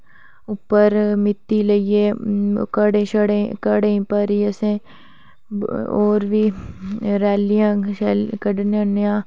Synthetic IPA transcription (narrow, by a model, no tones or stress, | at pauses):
upːəɾmɪt̪ːiləieːkəɽẽʃəɽekəɽẽpəɾiəsẽ | oːɾʋi | ɾɛːlijãːkəɖnjãnjãː